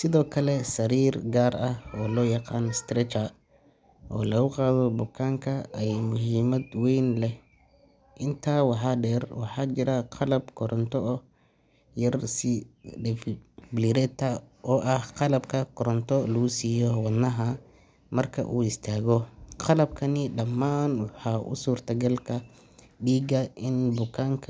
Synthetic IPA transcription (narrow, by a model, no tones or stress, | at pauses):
sɪðɔːkʰɐlɛsɐɾiːrɡaːɾɐhɔːlɔːjɑqɑːnst̪ɾɛt͡ʃɐ | ʔɔːlɐɣʊqɑːðɔbʊkʰaːŋkʰɐʔɛjmʊɦiːmɐd̪wɛjnlɛ | ʔɪnt̪ʰaːwɑħɑːɖɛːrwɑħɑːt͡ʃɪɾɐqʰɑlɐbkʰɔɾʔɔnt̪ʰɔʔ | jɐrsɪɛfbliɾɛːt̪ʰːɐɔːʔɐhqɑlɐbkʰɐkʰɔɾɔnt̪ʰɔlɐɣʊsiːjɔwɑnːɐɦɐ | mɐrkʰɐ̰ʔuːɪst̪ʰaːɣɔqɑlɐb̚kʰɐnɪɖɐmːaːnwɑħɑʔʊ̰suːrt̪ʰɐɡɐlkʰɐ | ɖiːɡɐʔɪnbʊkʰaːŋkʰ